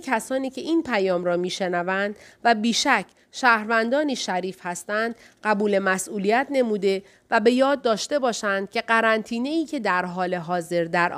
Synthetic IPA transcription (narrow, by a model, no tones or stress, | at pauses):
kʰæsɒːniːcʰe̞ʔiːnpʰæjɒːmɾɒːmiːʃe̞nævænd̪̥væbiːʃæcʰː | ʃæːhɾvænd̪ɒːniːʃæɾiːfhæst̪ænd̪̥ | ɢæbuːle̞mæsʔuːlijæt̪ʰne̞muːd̪e̞ | væbe̞jɒːd̪̚ːɒːʃt̪e̞bɒːʃænd̪̥̚cʲʰe̞ɢæɾænt̪ʰiːne̞iːcʰe̞d̪æɾɦɒːle̞ɦɒːze̞ɾd̪æɾʔ